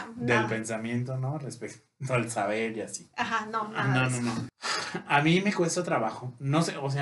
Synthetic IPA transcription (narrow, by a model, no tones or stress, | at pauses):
d̪elpe̞nsamjẽ̞nt̪onorespekt̪oalsaβe̞ɾiasi̥axanononono | amĩme̞kwe̞st̪at̪ɾaβaxono̞seos̬e